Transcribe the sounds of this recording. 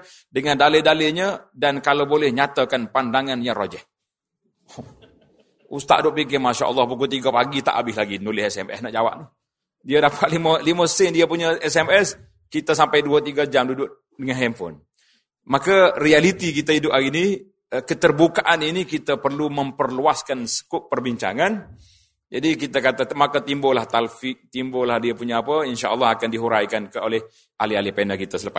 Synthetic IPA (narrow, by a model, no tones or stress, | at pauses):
dəŋandalədaleɲədankalawbolɛhɲat̪əkanpandaŋanjaŋro̰d͡ʒɛʔ̚ | ust̪a̰ʔdʊʔpik̬ɪmaʃa̰ʔə̰lˠːɑhpukut̪̬iɡapaɡit̪a̰ʔabɪhlaɡinulɪhɛsɛmɛ̰snaʔd͡ʒawa̰ʔni | diədapʰat̪̚liməliməsɪndiəpuɲəɛsɛmɛs | kit̪əsampajduat̪iɡad͡ʒamdudʊʔ | dəŋanɦɛmfɔ̰n | makarialit̪ikit̪aidʊpaɡini | kət̪ərbukaʔaninikit̪apərluməmpərluaskansə̥kʊʔpərbiɲt͡ʃa̰ŋan | d͡ʒadikit̪akat̪amakat̪imbolaht̪alfɪk̚t̪imbolahdiapuɲaːpəinʃaʔəlˠːɑhakandiɦuɾajkankəolɛh | ʔalialipenəkit̪əsələpa